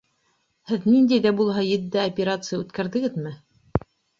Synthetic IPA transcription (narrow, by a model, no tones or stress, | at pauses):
hɘðnind̪æjðæbulˠɦɑjɘ̆d̪ːæɐpʲeɾat̪sɨjaʉt̪kæɾðɘ̆ɡɘðmɘ